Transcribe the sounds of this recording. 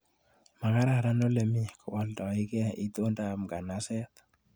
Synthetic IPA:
ma˨ka˦ɾa˦˨ɾa˦no˦le˨mi˦kɔ˨wɔ˨ldɔ˨ɪ˦ɡe˦˨i˦t̪o˦nda˨mɡa˨na˨sɛ˦t̪

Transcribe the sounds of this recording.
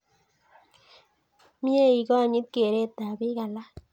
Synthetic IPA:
mi˦e˦˨i˨kɔ˦˨ɲi˦t̪̚ke˨ɾe˦˨t̪a˨bi˦ka˨la˦

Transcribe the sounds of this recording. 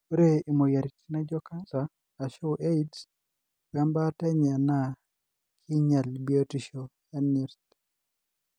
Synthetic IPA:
o˦ɾe˦i˨mo˨ja˨ɾi˨ti˦na˦d͡ʒɔ˦ka˦nsaː˨ | ʃo˦wʔe˦ids | wa˦mba˦tɛ˦ɲa˨na˦ | kʰi˦ɲa˨lbi˦o˦ti˨ʃoja˦ni˨ɾt̪̚

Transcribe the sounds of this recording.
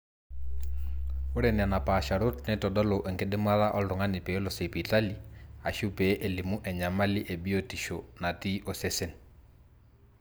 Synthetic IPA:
o˦ɾe˨nɪ˨a˨na˨pa˨ʃa˨ɾo˦tnɛ˦tɔ˨dɔ˦lɔ˨ʔe˨ŋke˦dɪ˦ma˦ða˦ʔɔ˦lɾʊ˨ŋa˦nɪ˨pe˨˦lɔ˨se˨pi˨ta˦li˦a˨ʃu˦pe˨˦ʔe˨li˨mu˦ʔɛ˨ɲa˨ma˦li˦ʔe˨bi˦o˦ti˨ʃo˨na˨ti˦ʔɔ˨se˦se˦n

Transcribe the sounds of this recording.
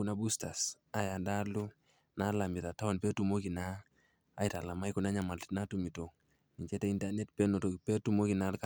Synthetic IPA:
una˦bu˦sta˨s | a˨ja˨nda˦lu˦ | na˦la˨mi˨ta˨ta˦ɔ˨npɛ˦tu˨mo˦ki˨na̰ː˦ | ita˨la˨ma˦iku˨na˦ɲa˨ma˨lna˦tu˨mi˨to˨ | ni˨ɲt͡ʃɛ˦tɛ˦i˦ndanɛ˦tpɛ˦no˨to˨pɛ˦tu˨mo˦ki˨na˦rka

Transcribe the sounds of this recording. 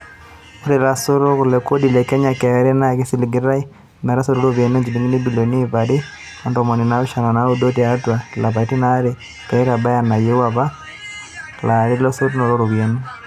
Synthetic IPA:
o˦ɾe˨la˨so˦ɾo˦ku˨lɛko˦di˨lɛ˨kɛ˦ɲa˨kɛ˨˦ɾɛ˦na˦ɣe˦si˦li˨ɡi˦ɾa˦i˦ | mɛ˨ɾa˦so˦ɾo˦ɾoβje˨n˦ɛ˦ɲd͡ʒi˨li˦ŋi˦ni˦bi˨lo˨ni˦βa˨ɾi˦ | ɔ˦ndɔ˨mɔ˨ni˨na˦u˦ʃa˨na˨na˦u˦do˦ti˨a˨twa˨la˨βa˨ti˦na˦ɾe | ka˨i˦ɾa˨ba˦ja˨na˨je˦wa˨βa˦ | la˨ɾi˦lɔ˦so˦ɾu˦nɔ˨ɾo˦ɾo˨βje˨nu˦

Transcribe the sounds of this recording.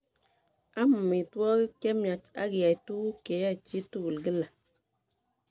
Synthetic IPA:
a˦m˨mi˨twɔ˦ɣi˦ke˦mja˨t͡ʃa̰˦ɡja˨i˨tu˦wu˦ke˨˦ja˦˨t͡ʃi˦tu˦wu˨lɡi˦la˨

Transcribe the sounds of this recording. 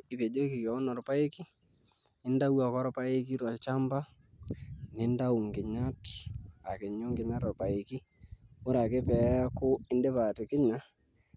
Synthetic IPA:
i˨pe˨d͡ʒo˦ki˨kɔ˨˦nɔ˨ɾpa˦e˦ki˦ | ɪ˦nda˦wa˨kɔ˦ɾpa˦e˦ki˦ɾɔ˨lt͡ʃa˦mba˦ | nɪ˨˦nda˦u˨ŋɡɪ˨ɲa˦ta˨kɪ˨ɲo˦ŋɡɪ˨ɲa˦tɔ˨rpa˨e˨ki˦ | ʊ˦ɾa˨ke˦pɛ˨˦kʊ˦ɪ˦nde˦pa˨tɪ˨kɪ˦ɲa˦

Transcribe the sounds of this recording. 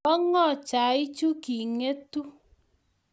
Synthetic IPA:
ɔ˦ŋɔ˦˨t͡ʃa˨i˦t͡ʃu˦ki˨ŋe˦tu˦

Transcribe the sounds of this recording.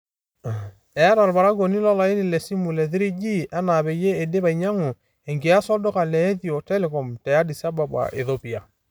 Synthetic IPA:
ɛ˨˦ɾa˨lba˨ɾa˦ɡo˨ni˦lɔ˦la˨i˦ni˨lɛ˨si˦mu˨lɛ˨ðɪ˦ɾi˦d͡ʒi˦ʔɛ˦na˨bɛ˨je˦e˨de˦βa˨i˨ɲa˦ŋo˨ | ɛ˨ŋɡe˨a˦sɔ˦do˦ka˨lɛː˨˦ði˨ɔ˨tɛ˦lɛ˨kɔ˨mtɛ˨a˦di˨sa˦ba˨bwa̰˨ʔḛ˨θo˦pi˨a˨

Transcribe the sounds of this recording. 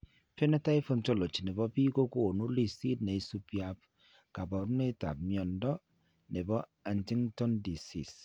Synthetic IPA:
fe˦nɛ˦ta˦i˦fo˦nt͡ʃɔ˦lo˨t͡ʃi˨nɛ˨bɔ˦pi˦ko˦koː˦˨no˦li˦˨si˦d̚nɛ˨i˦su˦pja˨p̚ | ka˨bɔ˨ɾu˦ne˦ta̰˨p̚mjɔ˨ndɔ˦ | nɛ˨bɔ˦a˨nti˦ŋtɔ˦ndi˨sḭ˨s

